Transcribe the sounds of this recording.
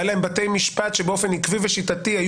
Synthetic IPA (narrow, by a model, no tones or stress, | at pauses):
alaembate̞jmiʃpat̪ʃebeo̞fe̞nikviveʃitatihaj